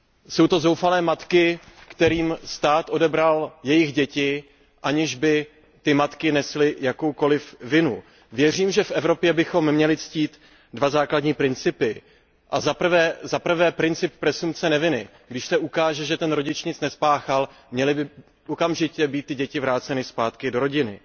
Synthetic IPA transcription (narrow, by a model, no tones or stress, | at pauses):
so̞wt̪o̞zowfalɛːmat̪kɪkt̪ɛɾiːmst̪aːt̪ʔo̞dɛbɾaljɛjɪɣɟɛcɪ | ʔaɲɪʒbɪ | t̪ɪmat̪kɪnɛslɪjako̞wko̞lɪfvɪnu | vjɛr̝iːmʒɛfʔɛvɾo̞pjɛbɪxo̞mːɲɛlɪt͡sciːt̪ | dvazaːkladɲiːpɾɪnt͡sɪpɪ | ʔazapr̩vɛːzapr̩vɛːpɾɪnt͡sɪp̚pːɾɛsumpt͡sɛnɛvɪnɪ | ɡdɪʃsɛʔukaːʒɛʒɛt̪ɛnɾoɟɪt͡ʃɲɪt͡snɛspaːxalmɲɛlɪbɪ | ʔokamʒɪcɛbiːt̪̚tːɪɟɛcɪvɾaːt͡sɛnɪspaːt̪kɪdo̞ɾo̞ɟɪnɪ